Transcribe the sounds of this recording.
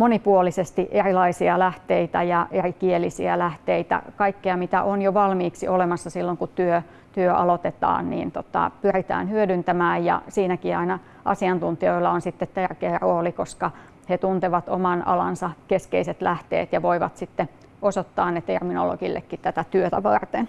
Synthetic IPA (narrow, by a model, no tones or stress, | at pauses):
monipuolisest̪iʔerilɑisiɑlæht̪eit̪æjɑʔerikielisḭælæht̪eit̪æ̰kɑikːeɑmit̪æ̰ʔonjoʋɑlmiːksiʔolemɑsːɑsilːoŋkut̪yø | t̪yøʔɑ̰lot̪et̪ɑ̰ːnnḭːnt̪ot̪ɑ̰pyrit̪æ̰ːnhyødynt̪æmæːjjɑ̰siːnækiɑinɑ | ʔɑ̰siɑnt̪unt̪ioilːɑonsit̪ːet̪t̪ærkeːroːlikoskɑ | het̪unt̪eʋɑt̪o̰mɑnɑ̰lɑ̰nsɑkeskeiset̪læht̪ḛːt̪jɑʋoiʋɑ̰t̪sit̪ːe | osot̪ːɑːnnet̪ermino̰lo̰ɡilːḛkːit̪t̪æt̪æt̪yøt̪æʋɑrt̪en